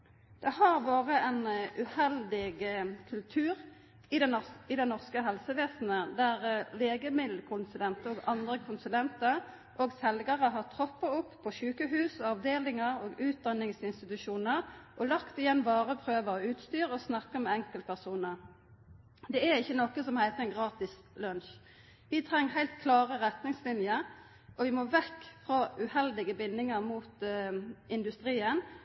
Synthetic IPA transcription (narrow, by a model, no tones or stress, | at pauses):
d̪̥ɛhɑʁʋoːʁəʔɛnʔʉhɛld̪ɪɡkʰʉlt̪ʰʉːʁ | ɪd̪ɪd̪ɛnɔʁskəɦɛlsəʋeːsnəd̪æʁleːɡəmɪd̪l̩kʰʊnsʉlɛnt̪əoːɡɑnd̪ʁəkʰʊnsʉlɛnt̪əʁ | ʔoːɡsɛlɡɑʁəɦɑt̪ʰʁɔpːəʊpːʰɔʃʉːkəɦʉːsɔɑʋd̪eːlɪŋəʁoːɡʉːt̪̚d̪ɑnːɪŋsɪnst̪ɪt̪ʉʃuːnəʁʔɔlɑkt̪ɪjɛnːbɑːʁəpʰʁøːʋəɔʉːt̪st̪yːʁɔsnɑkːəmɛɛŋkəlt̪̚pʰæʁsuːnəʁ | d̪ɛæɾɪçːənɔkːəsɔmhæɪt̪əɛnɡʁɑːt̪ɪs | lœnʃ | ʋɪt̪ʰʁɛŋːɦæɪlt̪kʰlɑːʁəʁɛt̪nɪŋslɪnjəɾ | ʔɔʋɪmoːʋɛkːfʁoːʉhɛld̪ɪɡəbɪnːɪŋəʁmuːt̪ | ɪnd̪ʉst̪ʁiːən